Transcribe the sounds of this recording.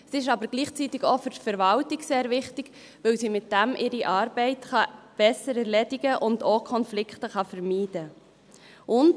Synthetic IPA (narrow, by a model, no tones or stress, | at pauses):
siɪʃɑbəɾɡ̥liːχt͡sit̪ɪɡofʏɾtfəɾʋɑltiɡseːɾvɪχtɪɡ̥ | ʋɵwsimɪt̚d̥æmʔɪɾiʔɑːɾb̥ɛɪtχɑb̥ɛsəɾɛɾlɛdɪɡəʔʊndoːkʰχɔnflɪkχtəχɑfəɾmiːdə | ʔʊnd